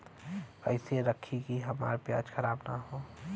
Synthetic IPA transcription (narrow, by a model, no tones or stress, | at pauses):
ə̰ɪseɾəkʰikiɦɐma̰ːɾpja̰ːd͡ʒxʰəɾaːbnaɦoː